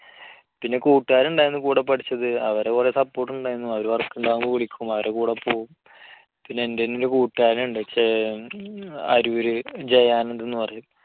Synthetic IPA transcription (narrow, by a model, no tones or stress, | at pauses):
pinːe̞kuːʈːaːɾuɳɖaːjɾinːɨkuːɽɐpːɐʈit͡ɕːɐðɨɐʋɐɾekuresɐpːoːʈ̬ːuɳɖaːjinːuɐʋɐɾuʋɐrkːuɳɖaːɣumboʋiɭikʲːumɐʋɐɾʔekuːɽɐpːoːɣum | pinːeendenːoɾukuːʈːaːɾnuɳɖɨet͡ɕːe | ɐ̰ɾuoɾud͡ʑejaːnend̪enːɨpɐrɐjum